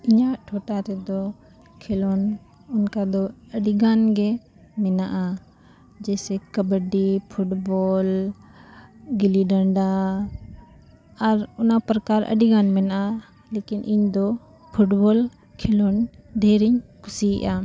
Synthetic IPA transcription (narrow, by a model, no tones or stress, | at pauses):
iɲaʔʈʰɔʈaɾɛd̪ɔ | kʰɛlɔn | ʊnkad̪ɔəɖiɡanɡɛ | mɛnaʔa | d͡ʒɛsɛkəbəɖipʰuʈbɔl | ɡiliɖəɳɖa | ɾʊnapɾəkaɾə̰ɖiɡanmɛnaʔa | lekinʔiɲd̪ɔ | pʰuʈbɔl | kʰɛlɔnɖʱɛɾiɲkusiɛ̰ʔa